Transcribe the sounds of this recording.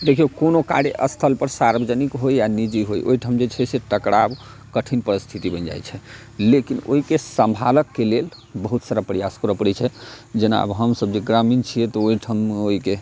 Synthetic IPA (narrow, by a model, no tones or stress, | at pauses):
d̪ekʰiokonoka̰ɽeʔəst̪ʰəlpəɾsaɾbəd͡ʒənikɦojjanid͡ʒiɦojʔo̰iʈʰəmd͡ʒet͡ʃʰɛseʈəkɽab | kəʈʰinpəɾist̪ʰit̪ibənd͡ʒa̰jt͡ʃʰɛ | lekino̰ɦikesəmbʱaləkːelel | bəɦut̪saɾapɾijaskəɾɔpəɽɛt͡ʃʰɛd͡ʒena̰bɦəmsəbd͡ʒeɡɾamint͡ʃʰijɛt̪ɔoiʈʰəmeoɦike